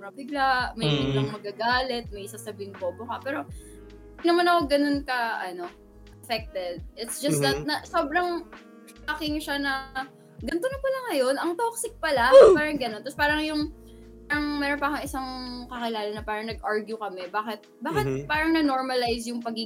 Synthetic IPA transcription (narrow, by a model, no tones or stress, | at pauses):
bɾɐŋbɪɡlaʔmɐjbɪɡlaŋmɐɡaːɡaːlɛt̪̚mɐjsasɐbiɪŋbobʊkapɛːɾo̞ | nɐmanɐkoɡɐno̞nkɐʔɐno̞ | ʔɐfɛk̚t̪ɛd̪̚ʔɪt̪sd͡ʒɐsɐt̪̚nɐsobɾɐŋ | aːkɪŋʃanɐ | ɡɐnt̪onɐpɐlɐŋːɐjo̞nɐŋt̪oksɪk̚pɐlapaːɾɐŋɡɐno̞nt̪ɐspaːɾɐŋjʊŋ | paɾɐŋmɛːɾonpɐʔkɐŋɪsaŋkɐkɪlaːlɐnɐpaːɾɐŋnɐɡʔaɹɡjʊkɐmɛbaːkɪt̪̚baːkɪt̪̚paːɾɐŋnɐno̞ɹmɐlajsjʊŋpɐɡi